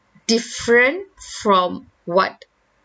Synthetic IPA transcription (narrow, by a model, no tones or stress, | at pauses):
d̥ifɹə̃ntfɹɔ̃m | wɔt̚